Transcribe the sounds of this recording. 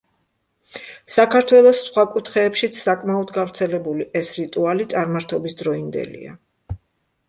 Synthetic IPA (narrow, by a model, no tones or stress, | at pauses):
sakʰaɾt̪ʰwɛlˠɔsːχwakʼut̪ʰχɛːpʃit̪sʰsakʼmaɔd̪ɡavɾt̪sʰɛlɛbuliʔɛsɾit̪ʼualit̪sʼaɾmaɾt̪ʰɔbisd̪ɾɔind̪ɛ̰lḭa̰